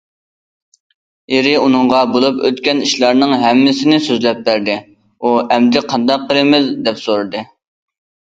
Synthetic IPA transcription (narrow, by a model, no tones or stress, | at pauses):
eɾɪunɨŋʁɑbolˠupø̰t̪kʲɛniʃlˠɑɾnɨŋɦɛmːɪsɪnɪsøzlɛp̚ːbæɾd̪ɪ | uɛmd̪ɪqʰɑnd̪ɑq̚ːəɾɪmɪzd̪ɛpsoɾɨd̪ɨ